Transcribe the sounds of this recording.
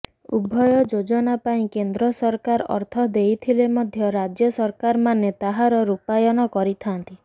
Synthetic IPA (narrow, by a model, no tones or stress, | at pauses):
ubʱːɔjɔd͡ʒod͡ʒɔnapaĩkend̪ɾɔsɔɾkaɾɔ̰ɾt̪ʰɔd̪ejt̪ʰilemɔd̪ʱjɔɾad͡ʒjɔsɔɾkaɾmanet̪aɦaɾɔɾupajɔnɔkɔɾit̪ʰant̪i